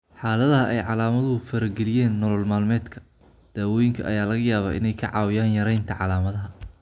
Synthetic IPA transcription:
ħɑːlɐðɐɦɐʔɛjʕɑlaːmɐðʊʊfɐɾɐɡɛlɪjɛːnːɔlɔlmaːlmɛːd̪kʰɐ̥ | d̪̥aːwɔːjɪŋkʰɐ̰ʔɐ̰jaːlɐɣɐjaːβa̰ːʔɪ̰nɛjkʰɐ̰ʕɑ̰ːwɪjaːnjɐɾɛjnt̪ʰɐʕɑlaːmɐðɐɦɐ

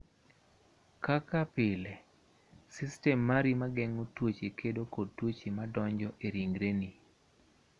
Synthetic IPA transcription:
kakapɪlɛ | sistɛmːaɾimaɡɛŋotwot͡ʃekʰedokotwot͡ʃimadɔɲd͡ʒɔʔeɾiŋɡɾeni

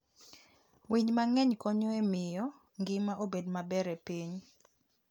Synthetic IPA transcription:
wiɲmaŋɛɲkɔɲoemɪjɔ | ŋɡɪmaʔobedmabɛɾɛpiɲ

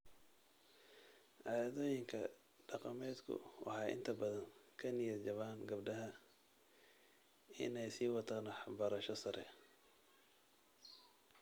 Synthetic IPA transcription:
ʕɑðɔːjɪŋkʰɐ | ɖ̥ɑqɑmɛːd̪kʰʊ̰wɑ̰ħɑːʔɪ̰nt̪ʰɐbɐðɐnkʰɐnɪjɐrd͡ʒɐβaːnɡɐbɖɐɦɐ | ɪ̰nɛjsiːwɑt̪ʰaːnħɑbɐɾɐʃɔsɐɾɛ̰

